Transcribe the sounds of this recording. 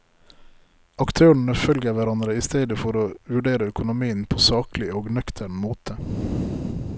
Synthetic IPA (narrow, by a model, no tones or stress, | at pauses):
ɑkt̪ʰøːɳ̩əfœlɡəʋæɾɑnd̪ɾəiːst̪eːd̪əfɔɾoːʋʉɖeːɾəœkʊnʊmiːənpʰoːsɑːklɪoːɡnœkt̪ʰæɳmoːt̪ʰə